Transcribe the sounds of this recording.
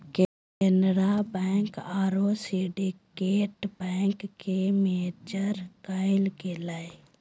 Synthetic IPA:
k | kɛːnɾabɛ̃ːŋkaːɾosiɖikeːʈbɛ̃ːŋkːemeːd͡ʒəɾkaːɪlkelae

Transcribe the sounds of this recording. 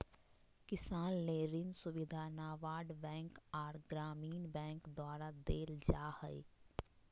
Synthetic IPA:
kɪsaːnleːɾɪnsʊʋɪd̪ʱanaːʋaːɖbɛ̃ːŋkaːɾɡɾaːmiːnbɛ̃ːŋkd̪aːɾad̪eːld͡ʒaːhəi

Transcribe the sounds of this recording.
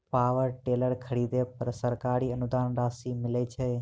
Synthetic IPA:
paʋəɾʈeləɾkʰəɾid̪epəɾsəɾkaɾiənud̪anɾasimɪlet͡ʃʰe

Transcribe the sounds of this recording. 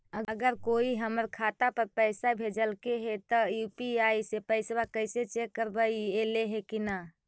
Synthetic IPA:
əɡəɡəɾkoiɦəməɾkʰat̪apəɾpəɪsabʱed͡ʒəlkeɦet̪ɔjupiaisepəɪsbakəɪset͡ʃekːəɾbəieleɦekina

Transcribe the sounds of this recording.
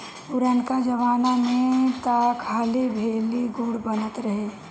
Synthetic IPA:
ʊɾənkad͡ʒəʋaːnamẽt̪akʰaːlibʱeːliɡuɽbənət̪ɾəɦe

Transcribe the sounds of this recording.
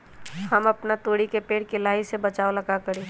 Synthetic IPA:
həmɐpnat̪oːɽikepeːɽkelaːisebət͡ʃaːoləɡakəɾeː

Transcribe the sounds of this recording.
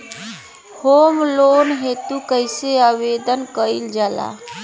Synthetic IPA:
homlonɦet̪ukəɪseaβed̪ənkəild͡ʒala̰

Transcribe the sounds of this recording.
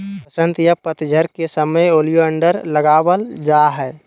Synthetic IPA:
pəsə̃nt̪japət̪d͡ʒʱəɾkesəməjoːlijoə̃ɳɖəɾləɡaːwəld͡ʒaːɦɛː

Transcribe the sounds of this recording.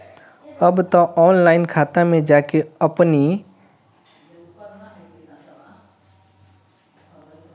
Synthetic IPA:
əbt̪ãʔɔːnlaːɪnkʰaːt̪amẽd͡ʒaːkeəpni

